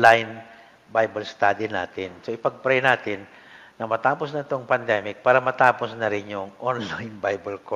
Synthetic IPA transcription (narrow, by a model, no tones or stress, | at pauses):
lajn | bajbɐlst̪aːd̪ina̰ːt̪ɪnsoʔɪpɐɡ̚pɾɛjnaːt̪ɪnː | ɐmɐt̪aːposnɐɪt̪oŋpɐnd̪ɛmɪk̚paːɾɐmɐt̪aːposnɐɾɪnjʊŋʔonlajnbajbɐlko